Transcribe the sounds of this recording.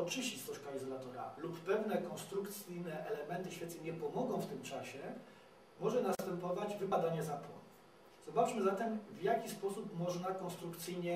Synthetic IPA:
ɔt͡ʂɘɕist̪ɔʂkaizɔlat̪ɔɾa̰lupːɛvnɛkɔ̃nst̪ɾukt̪sɘjnɛʔɛlɛmɛnt̪ɘɕfʲɛt̪sɛɲɛpɔmɔɡɔ̃w̃ft̪ɘmt͡ʂaɕɛ | mɔʐɛnast̪ɛmpɔvad͡ʑvɘpad̪aɲɛzapwɔ̰nuf | z̥ɔbat͡ʂmɘzat̪ɛmvjakʲispɔsupmɔʐnakɔ̃nst̪ɾukt̪sɘjɲɛ

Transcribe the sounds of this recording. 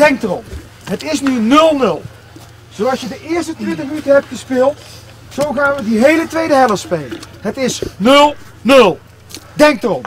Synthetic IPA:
d̥ɛŋk̚tərɔm | ɦətɪsnynɵlˠnɵlˠ | z̥owɑlsjədəʔɪːɹstətʋɪdəytəɦɛp̚tχəspɪːlˠt | z̥owχaːnʋədiɦejlətʋejdəɦɛləspejlənɦətɪsnɵlˠ | nɵlˠ | dɛŋk̚tərɔm

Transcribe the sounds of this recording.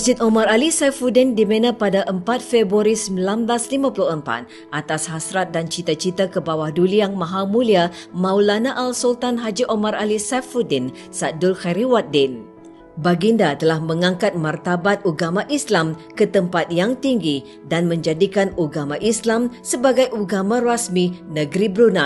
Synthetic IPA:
sd͡ʒɪt̪omãɾalisafudɛndimenãpadaʔəmpat̪̚febuaɾisəmbilanblaslimãpulʊhəmpa̰t̪̚ | ʔat̪ashasɾat̪̚dant͡ʃit̪at͡ʃit̪akəbawahduliaŋmãɦalmũliamãulanaʔalsult̪anɦad͡ʒiʔomãralisafudɛn | sadʊlxaɾiwat̪̚dɪn | baɡindat̪əlahmə̃ŋãŋkat̪̚mart̪abat̪̚uɡamãʔislamkət̪əmpat̪̚jaŋt̪iŋɡi | danmə̃ɲd͡ʒadikanuɡamãʔislamsəbaɡajʔuɡamãrasminəɡɾibɾuna

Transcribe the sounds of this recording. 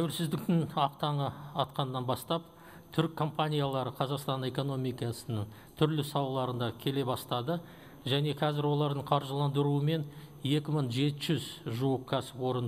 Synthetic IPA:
t̪ʰæwɪlsɪzd̪ɪk̚t̪ɪnɑqt̪ɑɴəɑt̪qɑnːɑnbɑst̪ɑp | t̪ʰʏɾkʰːo̞mpanʲijalˠɑɾəqʰɑzɑqst̪ɑne̞ko̞no̞mijkɑsənəɴ | t̪ʰʏɾlɪsɑlˠɑlˠɑɾənd̪ɑkʲʰe̞le̞bɑst̪ɑd̪ə | ʒæne̞qʰɑzɪɾwo̞lˠɑɾd̪əɴqʰɑɾʒəlˠɑnd̪əɾuəme̞n | je̞kʲɪməɴʒe̞t̪ɪʒʏzʒuwəqkʲʰæsɪpwo̞ɾən

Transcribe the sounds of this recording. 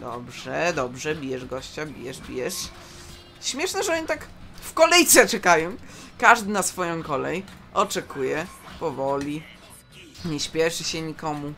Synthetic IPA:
d̪ɔ̰bʐɛd̪ɔbʐɛbʲijɛʐɡɔɕt͡ɕabʲḭjɛʐbʲḭjɛʂ | ɕmʲjɛʂnɛʐɛɔɲit̪ak | fkɔlɛjt̪sɛt͡ʂɛkajɔ̃w̃kaʐd̪ɘnasfɔjɔ̃w̃kɔlɛj | ʔɔt͡ʂɛkʰujɛpɔvɔlʲi | ɲɛɕpʲjɛʂɘɕɛɲikɔmu

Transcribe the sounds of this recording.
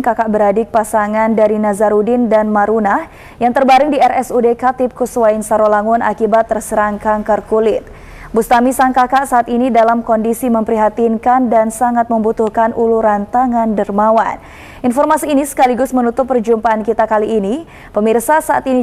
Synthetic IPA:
kakaʔbəɾadɪk̚pasaŋandaɾinazaɾudɪndanmaɾunah | jaŋt̪ərbaɾɪŋdiɛrɛsudekat̪ɪp̚kuswaɪnsaɾolaŋʊnʔa̰kibat̪ːərsəɾaŋkaŋkərkulɪt̪̚ | bust̪amisaŋkakaʔsaʔat̪inidalamkɔndisiməmpəɾiɦat̪inkandansaŋat̪̚məmbut̪uhkanʔuluɾant̪aŋandərmawa̰n | ʔinfɔrmasiːnisə̥kaliɡʊsmənut̪ʊpːərd͡ʒumpaʔankit̪akaliːni | pəmirsasaʔa̰t̪ini

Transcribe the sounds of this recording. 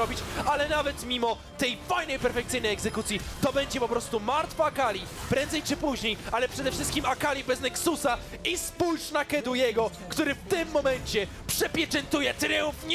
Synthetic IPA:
ɔbʲit͡ɕalɛnavɛt̪mʲimɔ | t̪ɛjfajnɛjpɛɾfɛk̚t̪sɘjnɛjɛɡzɛkut̪sʲjit̪ɔbɛɲd͡ʑɛpɔpɾɔst̪umaɾt̪faːkalʲjipɾɛnd̪zɛjt͡ʂɘpuʑɲejalɛpʂɛd̪ɛfʂɘst̪kʲimakalʲibɛznɛksusa | ispujʂnakɛd̪ujɛɡɔ | kt̪uɾɘft̪ɪmːɔmɛɲt͡ɕɛ | pʂɛpʲjɛt͡ʂɛnt̪ujɛt̪ɾɛũfɲ

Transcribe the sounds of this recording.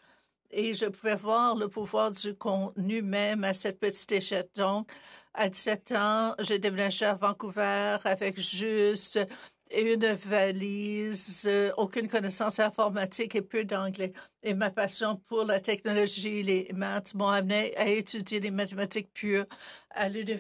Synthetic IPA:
eʒəpuvɛvwaːʁləpuvwaːʁd̪ykʰɔ̃tnymɛmasɛt̪̚pət̪i̥t̪eʃɛl̚d̪ɔ̃kad̪i̥sɛt̪ɑ̃ʒəd̪emenaʒeavɑ̃kuvɛːʁavɛkʒyst̪ | ynvalizokʲynkɔnɛsɑ̃sɛ̃fɔʁmat̪ikepød̪ɑ̃ɡlɛemapasjɔ̃pʰuʁlat̪ɛknɔlɔʒilemat̪mɔ̃amneaet̪ydjed̪emat̪emat̪ik̚pʰyːʁalyn

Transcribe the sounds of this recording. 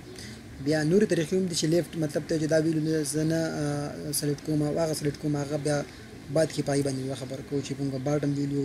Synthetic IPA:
bjɑnoɾet̪ɑɾixiʊmd̪it͡ʃelefʈmat̪lab̚t̪at͡ʃed̪ɑwelunazəna | saleʈkomawaɣasaleʈkomaaɣabjɑ | bɑd̪̚kepaɣibɑnd̪ewaxabəɾkaut͡ʃebuŋɡabɑʈəmwilu

